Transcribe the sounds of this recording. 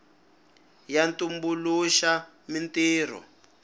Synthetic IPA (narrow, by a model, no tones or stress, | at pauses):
jantumbuluʃa | mintiːr̤ɔ̰